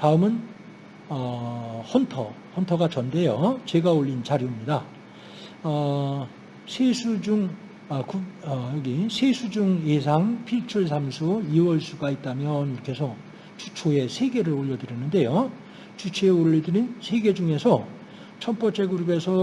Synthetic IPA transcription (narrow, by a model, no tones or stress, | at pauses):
taɯmɯn | ʌhʌntʰʌ̰ | hʌntʰʌɡat͡ɕʌnde̞jot͡ɕe̞ɡaoʎːint͡ɕaɾjimɲida | ʌ | sʰesʰud͡ʑuŋ | ʌkuʌjʌɡisʰesʰud͡ʑuŋes̬ʰaŋpʰiɭt͡ɕʰuɭs̬ʰamsʰuiwʌɭsʰuɡait̚t͈amjʌniɾʌkʰe̞sʰʌ | t͡ɕut͡ɕʰoe̞sʰe̞ɡe̞ɾɯɾoʎːʌdɯɾjʌnːɯnde̞jo | t͡ɕut͡ɕʰeeoʎːʌdɯɾinsʰe̞ɡe̞d͡ʑuŋe̞sʰʌ | t͡ɕʰʌmp͈ʌt͡ɕ͈e̞ɡuɾube̞sʰʌ